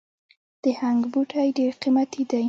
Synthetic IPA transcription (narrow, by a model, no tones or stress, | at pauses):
d̪̥əhaŋɡbuʈʰajɖeɾqimat̪ʰid̪aj